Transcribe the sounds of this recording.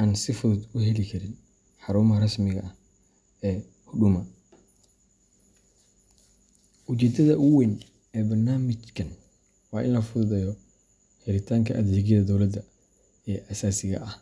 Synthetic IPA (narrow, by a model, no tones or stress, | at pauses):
ʔaːnsɪfʊðʊd̪ʊɦɛlɪkʰɐɾɪn | ħɑɾuːmɦɐrɐsmɪɣɐ̰ʔɐh | ɛː | hʊɖʊmɐ | ʊt͡ʃɛːd̪ɐðɐʔʊwɛn | ɛːbɐrnaːmɪt͡ʃkʰɐn | wɑːʔɪ̰nlɐfʊðʊðɛjɔ | hɛlɪt̪ʰaːŋkʰɐʔɐd̪iːɣɛðɐd̪ɔwlɐd̪ɐ | ɛːʔɐsaːsɪɣɐ̰ʔɐh